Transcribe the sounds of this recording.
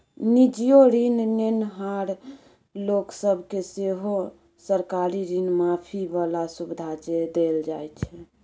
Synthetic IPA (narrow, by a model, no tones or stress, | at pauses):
nid͡ʒijoɾinnenɦaɾ | loksəbʱkeseɦo | səɾkaɾiɾinmapʰibəlasubid̪ʱad͡ʒed̪eld͡ʒajt͡ʃʰɛ